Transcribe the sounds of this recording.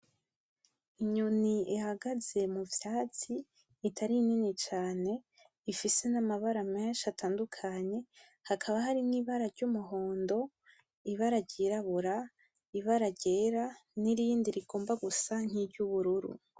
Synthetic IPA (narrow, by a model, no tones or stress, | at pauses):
iɲuniihaɡaze̞muvjaːt͡siː | tʰaɾininit͡ʃaːne̞ | ifise̞namaβaɾameːnʃatʰaːndukʰaɲe̞ | hakʰaβaɦaɾimŋiːβaɾaɾɟumuɦo̞ːndo̞ | iβaɾaɟiːɾaβuɾa | iβaɾaɟe̞ːɾaniɾiːndiɾiɡo̞ːmbaɡusan̥hibɟuβuɾuɾṵ